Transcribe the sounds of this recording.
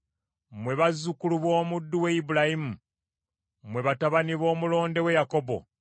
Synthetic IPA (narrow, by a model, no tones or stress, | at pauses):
mwe̞βazukuluβwo̞ːmudːuweibulajimu | mwe̞βataβaniβo̞ːmulo̞ːnde̞we̞jako̞bo̞̰